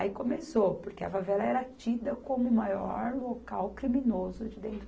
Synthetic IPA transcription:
ikõmesopoɾkeɐ̰favɛlɐɛɾɐt͡ʃid̪ɐkõmʊmajɔɾlokawkɾimĩnozʊd͡ʒɪd̪ẽnt̪ɾ

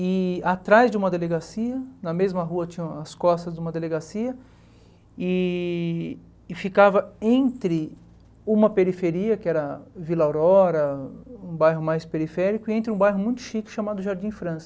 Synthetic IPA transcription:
ɪat̪ɾajzd͡ʒɪũmɐd̪eleɡasiɐnɐmezmɐɦuɐt͡ʃĩɲɐ̃w̃ɐskɔst̪ɐzd̪ũmɐd̪eleɡasiɐ | ɪ | fikavɐẽnt̪ɾɪ | ũmɐpeɾifeɾiɐkɪɛɾɐvilawɾɔɾɐũbajɦʊmajspeɾifɛɾikʊɪẽnt̪ɾɪũbajɦʊmũj̃t̪ʊ̥ʃikɪ̥ʃamad̪ʊʒaɾd͡ʒĩfɾɐ̃sɐ̥

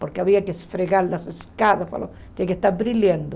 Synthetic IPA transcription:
poɾkeaβiakesfɾeɣaɾlaseskaðaspa̰loiakest̪aɾbɾiljend̪o

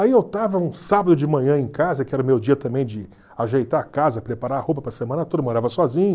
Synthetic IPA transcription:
aiewt̪avɐũsabɐd̪ʊd͡ʒɪmɐ̃ɲɐ̃ẽj̃kazɐkɪɛɾɐʊmewd͡ʒiɐt̪ɐ̃mbẽj̃d͡ʒɪ | aʒejt̪aɾakazɐpɾepaɾaɾɐhowp̬ɐpɾɐsemɐ̃nɐt̪od̪ɐmoɾavɐsɔzĩɲɐ

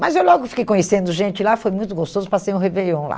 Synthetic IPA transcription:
mɐzewlɔɡʊkfi̥kejkõɲesẽnd̪ʊʒẽnt͡ʃɪlafojmũj̃t̪ʊɡost̪ozʊpasẽj̃ʊ̃hevejɐ̃w̃la̰

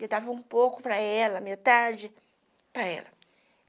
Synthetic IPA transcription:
et̪avɐũpowkʊpɾɐɛlɐmeat̪aɾd͡ʒɪ | pɾɐɛ̰lɐ

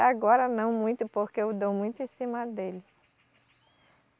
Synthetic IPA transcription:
aɡɔɾɐnɐ̃w̃mũj̃t̪ʊpoɾkeʊd̪owmũj̃t̪ʊẽsĩmɐd̪elɪ

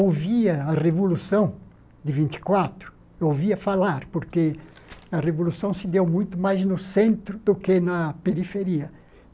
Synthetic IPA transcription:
owviɐɐrevolusɐ̃w̃ | d̪ɪvĩnt̪ɪ̥kwat̪ɾʊ̥ | owviɐfalaɾpoɾke | ɐrevolusɐ̃w̃sɪd̪ewmũj̃t̪ʊmajznʊsẽnt̪ɾʊd̪ʊkenɐpeɾifeɾiɐ

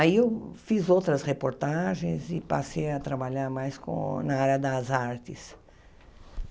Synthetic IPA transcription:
aiewfizowt̪ɾɐsʁepoɾt̪aʒẽj̃zɪpasejɐt̪ɾabaʎaɾmajskõ̰nɐaɾɐd̪ɐzaɾt̪ɪs

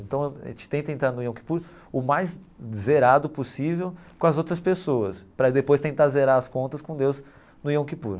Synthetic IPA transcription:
ẽnt̪ɐ̃w̰̃t͡ʃɪ̥t̪ẽnt̪ɐẽnt̪ɾaɾnʊiõki̥puɾ | ʊmajz | zeɾad̪ʊposivewkõɐzowt̪ɾɐspesoɐspɾɐd̪epojst̪ẽnt̪aɾzeɾaɾɐskõnt̪ɐskõd̪ewz | nʊiõkipṵɾ

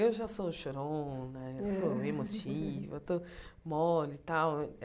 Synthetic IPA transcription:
ewʒasoʃoɾõnɐewsoemot͡ʃivʊet̪omɔlit̪aw

